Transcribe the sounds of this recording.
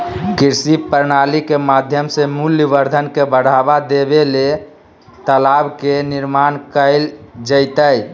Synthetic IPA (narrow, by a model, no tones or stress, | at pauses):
kiɾsipəɾnalikemad̪ʱjəmsemuljəbəɾd̪ʱənkebəɽ̤abad̪ebele | t̪əlabkeniɾmankəɪld͡ʒəɪt̪əj